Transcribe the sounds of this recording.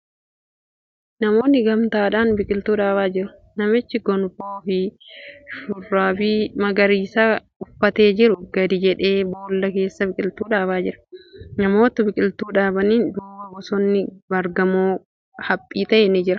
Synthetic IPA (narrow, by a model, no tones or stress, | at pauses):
nɐmo̞ːnːɪɡɐmt̪aːᶑaːnbɪkʼɪlt̪uːᶑaːbaːd͡ʒɪɾʊ̥ | nɐmɪt͡ʃːɪɡɔnfoːfɪ | ʃʊrːaːbimɐɡɐɾiːsɐ | ʊfːɐt̪e̞ːd͡ʒɪɾʊɡɐd̪ɪd͡ʒɛᶑe̞ːbo̞ːlːɐke̞ːsːɐbɪkʼɪlt̪uːᶑaːbaːd͡ʒɪɾɐ̥nɐmo̞ːt̪ɐbɪkʼɪlt̪uːᶑaːbɐniːnd̪uːbɐɡɔsɔnːɪbɐɾɡɐmoː | hɐpʼːiːt̪ɐʔeːnid͡ʒɪɾɐ